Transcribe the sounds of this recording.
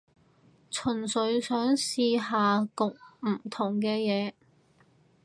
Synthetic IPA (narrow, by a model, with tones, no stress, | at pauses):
t͡ʃʰɵ˨˩nsɵ˨˧ɥsœː˨˥ŋsiː˧ɦaː˨˧kʊ˨k̚m̩˨˩t̪ʰʊ˨˩ŋkɛː˧jɛː˨˧